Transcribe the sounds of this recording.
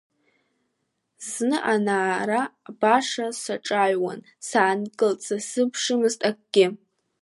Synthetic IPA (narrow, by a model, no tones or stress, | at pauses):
znɨʔanaːɾabaʂasaʈ͡ʂʼaɥwa̰n | saːnkʼɨlt͡sʰasɨpʰʂɨmɨztʼak̚ʼɡʲɪ